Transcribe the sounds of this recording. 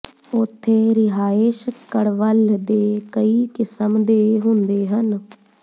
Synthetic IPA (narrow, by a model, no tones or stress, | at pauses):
ʊt̪ʰːeːɾɪɦaːɪʃkəɽʋəld̪eːkəiːkɪsəmd̪eːɦʊnd̪eːɦən